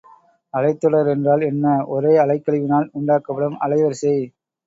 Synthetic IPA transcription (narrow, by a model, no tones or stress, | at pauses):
ɐlɐɪt̪ːɔɽɐɾɛndraːlɛnːɐʔɔɾeːɐlɐɪkːɐɭɪʋɪnaːlʊɳɖaːkːɐpːɐɽɐmɐ̰lɐɪʋɐɾsɐɪ